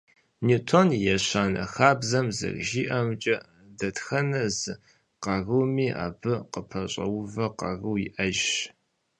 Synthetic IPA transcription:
nitʰonjɛɕaːnɐ̰xaːbzɐmzɨ̰rʒiːʔɐmt͡ʃʼɐ | dɐtxɐnɐzɨ | qɑrɨwmiːʔa̰ːbɨqəpʰɐɕʼɐ̰wvɐqɑ̰rɨwjiʔɐʒ

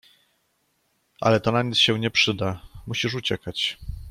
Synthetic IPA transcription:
ʔa̰lɛt̪ɔnaɲit̪sɕɛ̃ɲɛpʂɘd̪amuɕiʂ̬ut͡ɕɛkat͡ɕ

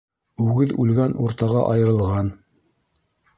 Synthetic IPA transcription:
ʉɡɘðʉ̰lɡænʔṵɾt̪ɑʁɑʔɑjɤ̆ɾɤ̆lˠʁɑn

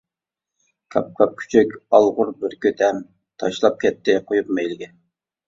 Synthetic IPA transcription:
kʲʰɑp̚qʰɑp̚kʲʰy̥t͡ʃʰøkʲɑlˠʁʊɾbɪɾkʲʰøt̪ʰɛm | t̪ʰɑʃlˠɑp̚kʲɛt̪ːɪqʰojup̚mɛjlɪɡʲɪ

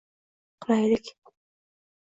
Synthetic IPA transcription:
qʰlajlɪkʲ

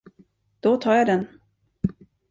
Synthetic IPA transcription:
d̪̥ɔt̪ʰɑːɾjad̪ɛn

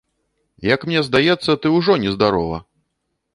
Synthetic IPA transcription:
jɐkmnʲɛzd̪ajɛt̪sːɐt̪ɨwʐɔnʲɛzd̪aɾɔvɐ̰

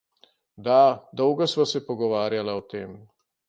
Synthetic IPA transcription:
d̪ad̪ɔwɡɔsʋasɛpɔɡɔʋaːɾjalaɔt̪eːm

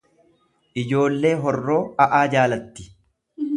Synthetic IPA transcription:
ʔɪd͡ʒo̞ːlːe̞ːɦɔrːo̞ːɐʔaːd͡ʒaːlɐt̪ːɪ̥

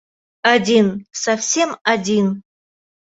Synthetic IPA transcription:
adʲinsafsʲe̞madʲin

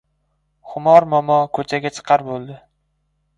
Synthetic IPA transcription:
χʊmɒɾmɒmɒkʰɵt͡ʃʰaɡʲat͡ʃʰɨ̥qʰɑɾbolˠd̪ɪ

